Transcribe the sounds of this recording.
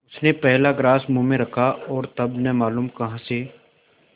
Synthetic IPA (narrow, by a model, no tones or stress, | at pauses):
ʊsnepɛɦlaɡɾaːsmũmẽɾɐkʰaɔːɾt̪ɐbnɛmaːluːmkɐɦãse